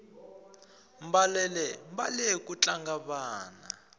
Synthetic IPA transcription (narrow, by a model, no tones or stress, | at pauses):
m̩balɛlɛmbalɛk̬ʼut͡ɬʼaŋɡaβaːna̰